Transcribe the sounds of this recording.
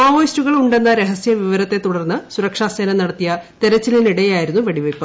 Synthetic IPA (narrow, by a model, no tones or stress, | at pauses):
aːʋoːjstuɣɐɭuɳɖe̞nːɐɾeɦɐsijɐʋiʋɐɾɐt̪ːe̞t̪uɽɐrnːɨsuɾɐkʂaːseːnɐnɐɽɐt̪ːijɐt̪eɾɐt͡ɕːiliniɽɐjaːjiɾunːuʋɐɽiʋɐjpːɐ